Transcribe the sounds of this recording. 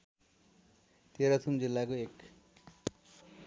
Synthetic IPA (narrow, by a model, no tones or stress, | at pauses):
t̪eɾʌt̪ʰumd͡zilːakoek